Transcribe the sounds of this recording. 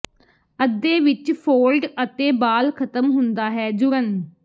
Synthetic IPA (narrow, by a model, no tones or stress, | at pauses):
əd̪ːeːʋɪt͡ʃpʰoːlɖət̪ẽːbaːlkʰət̪əmɦʊnd̪aːɦɛːd͡ʒʊɾən